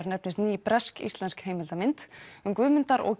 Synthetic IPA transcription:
ɾnɛp̚nɪst̪niːpɾɛskḭst̪lɛnskheːjmɪlt̪amɪnt̪ʏmkvʏːmɪnt̪aɾʔɔ̰ɣ

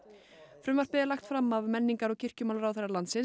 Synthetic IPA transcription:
fɾʏmvaɾ̥pɪðɪlaxt̪fɾamːavmɛnːiŋkaɾɔɣcʰɪr̥cʏmaːlɾawθɛrːalant̪sɪn

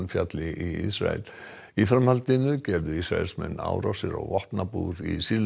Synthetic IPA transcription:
nfjat̪lɪʔiḭsɾa̰ɛ̰l | ifɾamhalt̪ɪnʏcɛɾðʏisɾaɛlsmɛnːa̰ːwɾawsɪɾɔɣvɔht̪napuɾisil

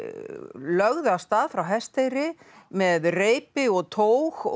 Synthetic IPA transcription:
lœɣðʏast̪aːðfɾawɦɛst̪ejɾɪ | mɛðreːjpɪɔɣt̪ʰoːwx

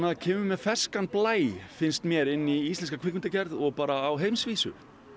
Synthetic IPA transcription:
aðcʰɛːmʏmɛðfɛskanplaːjfɪnst̪mjɛɾɪnːiist̪lɛns̬kakʰvɪkmɪnt̪acɛɾðɔɣpaːɾaːwɦejmsviːsʏ̰

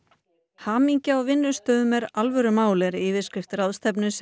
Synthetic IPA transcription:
haːmiɲcɪawvɪnːʏst̪œːðʏmɛɾalvœɾʏmaːwlɪɾɪːvɪðskɾɪft̪ɾaðst̪ʰɛp̬nʏs

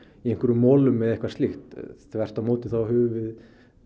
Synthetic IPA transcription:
iejŋ̥kvʏɾʏmːɔːlʏmːɛðɛhkvḁst̪ɪxt̪θvɛr̥t̪amoːwt̪ɪ̥θawhʏːvʏvɪð

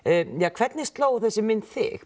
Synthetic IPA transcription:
jaːkʰvɛt̪nɪst̪loːwθɛsːɪmːɪnt̪θɪ̰x

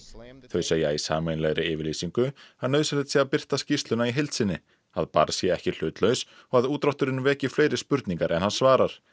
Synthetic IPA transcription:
θœɥseːjːaisa̰ːmejnlɛɣɾɪɪːvɪɾliːsiŋkʏaðnœðsalɪt̪sjɛapɪr̥t̪ascist̪lʏnaiɦejlt̪sɪnːɪ | aðpa̰ɾsjɛɛhcɪl̥ʏːt̪lœɥs | ɔɣaðuːt̪ɾawht̪ʏɾɪnːvɛːcɪfleːjɾɪspʏɾt̪niŋkaɾʔɛnhansvaːɾaɾ̥

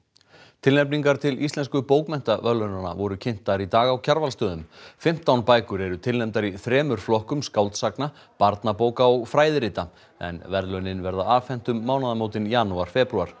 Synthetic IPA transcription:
t̪ʰɪlnɛpniŋkaɾ̥t̪ʰɪlist̪lɛnskʏpoːwkmɛn̥t̪avœlœnana̰vɔɾʏcʰɪn̥t̪aɾit̪aːɣawcʰaɾvalst̪œːðʏmfɪm̥t̪awnpaːjkʏɾɛɾʏt̪ʰɪlnɛmt̪aɾiθɾɛːmʏɾ̥flɔhkʏmskawlt̪sakna | paɾt̪napoːwkaɔɣfɾaːjðɾɪːt̪a | ɛ̰nvɛɾðlœnɪnvɛɾðaaːvfɛn̥t̪ʏmːaːwnaðamoːwt̪ɪnjaːnuaɾ̥fɛːpɾuaɾ̥

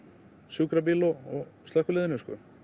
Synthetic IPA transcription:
sukɾap̬ilɔɔɣst̪lahkʏlɪðnʏskʏ̰

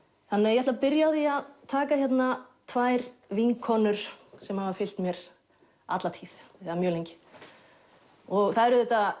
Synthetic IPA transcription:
θanːɪajɛat̪lapɪɾjaðiaðt̪ʰaːkaçjɛt̪nat̪ʰvaːjɾviŋkʰɔːnʏɾ̥sɛmhavafɪl̥t̪mjɛɾ | a̰t̪lat̪ʰiːθɛðamjœːlejɲcɪ̥ | ɔɣθaðɛɾʏðɛht̪a

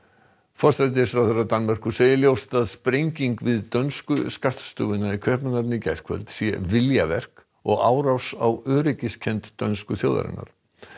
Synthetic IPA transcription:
fɔɾ̥sɾɛt̪̬ɪ̥fɾawθɛrat̪anmar̥kʏseːjɪljowst̪aðspɾejɲciŋkvɪðt̪œnskʏskar̥t̪st̪ʏ̰wvɪnaikʰœhpnanat̪nɪcɛjr̥kʰvɛ̰lt̪sjɛ̰vɪljavɛr̥k | ɔɣaːwɾawsawœːɾɪcɪscʰɛnt̪ːœnskʏθjo̰ːwða̰ɾɪ̰nːa̰ɾ̥

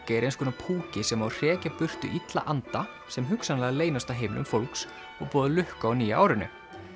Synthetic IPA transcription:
caɛɾejnskʰɔːnapʰuːcɪsɛmawr̥ɛːcapʏr̥t̪ʏ̰ʔit̪la̰ʔant̪a | sɛmɦʏksanlɛːɣaleːjnast̪aɦejmnʏ̰mfowlks | ɔɣpɔːðʏlʏhkaɔwniːjaaːwɾɪnʏ̰

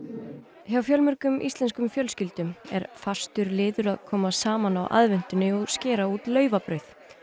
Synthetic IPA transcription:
çjawfjœlmʏɾkʏmʔḭst̪lɛnskʏmfjœlscɪlt̪ʏmɛ̰ɾ̥fḁst̪ʏɾlɪːðʏɾaðkʰɔːmasaːmanawʔa̰ðvɛn̥t̪ʏnːɪɔɣscɪːɾauːt̪lœːɥvapɾœɥθ

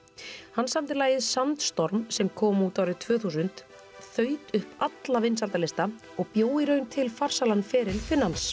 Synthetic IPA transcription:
hanːsamt̪ɪlaːjɪðsant̪st̪ɔɾmsɛmkʰɔːmuːt̪awɾɪt̪ʰvœːθusʏnt̪ | θœːɥt̪ʏhpat̪lavɪnsalt̪alɪst̪a | ɔɣpjoːwɪɾœɥnt̪ʰɪlfar̥salanfɛːɾɪlfɪnːans

